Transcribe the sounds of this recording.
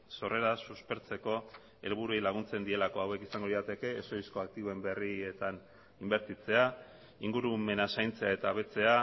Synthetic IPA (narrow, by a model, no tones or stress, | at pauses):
so̞re̞ɾasuspe̞ɾt͡se̞ko̞ | e̞lβuɾuejlaɣ̞unt͡se̞nd̪ie̞lako̞awe̞kisaŋɡo̞ðisat̪e̞ke̞ːsoisko̞ak̚t̪iβoe̞mbe̞riet̪an | imbe̞ɾt̪it͡se̞a | iŋɡuɾume̞nasajnt͡se̞ae̞t̪aːβe̞t͡se̞a